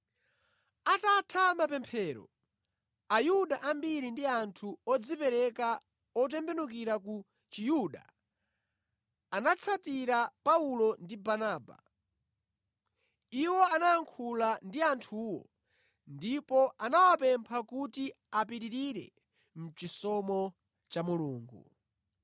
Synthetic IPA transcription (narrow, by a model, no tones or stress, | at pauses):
atatʰamapɛmpʰɛːɾɔ̰ | ajuɗaʔambiɾindiantʰuɔd͡zipɛɾɛka | ɔt̬ɛmbɛnukiɾaku | t͡ʃijuɗa̰ | anat͡sʰatiɾapaulɔndibanaːba̰ | iwɔanaaŋkʰulandiantʰuwɔ̰ | ndipɔʔanawapɛmpʰakuti | apiɾiɾiɾɛ̰ | m̩t͡ʃisɔmɔ | t͡ʃamuluːŋɡṵ